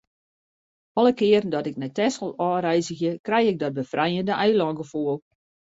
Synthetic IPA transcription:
ɔlˠəkɪərdɔtɪknɛtɛsəlˠɔːɾɛjzəxjəkrɛjɪk̚dɔt̚bəfrɛjəndəʔɛjlɔŋɡəfoəlˠ

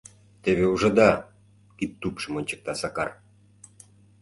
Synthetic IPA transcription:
t̪eβeuʒɤ̆d̪ɑ | kit̪ːupʃə̆monʲt͡ɕə̥̆k̚t̪ɑsɑkɑr

